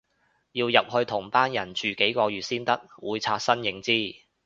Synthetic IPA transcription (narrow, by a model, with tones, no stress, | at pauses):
jiː˧wjɐ˨p̚hɵ˧ɥt̪ʰʊ˨˩ŋpaː˥njɐ˨˩nt͡ʃyː˨ke˨˥jkɔː˧jyː˨t̚siː˥nt̪ɐ˥k̚wuː˨˧jt͡sʰaː˧t̚sɐ˥njɪ˨˥ŋt͡siː˥˩